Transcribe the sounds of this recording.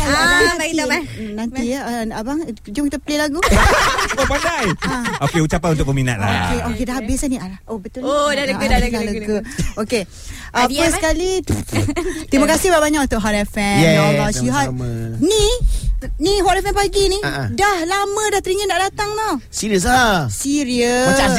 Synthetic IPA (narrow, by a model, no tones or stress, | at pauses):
ãaiananiabaŋ | d͡ʒumkit̪apəlelaɡu | opadajaokeut͡ʃapanunt̪ʊk̚bəmina̰t̪̚la̰okeʔokedahɦabɪsaniaɾaobət̪uodaləɡalaləɡooke | ʔaansəkali | t̪ɾimakasɪbaʔbaɲakut̪ʊʔɦɔtɛfɛnjɛalɔsuɦani | niɦɔtɛfɛnpaɡinidahlamə̃daht̪əɾiŋənaʔdat̪aŋnɔsiɾiəs̬asiɾiəaas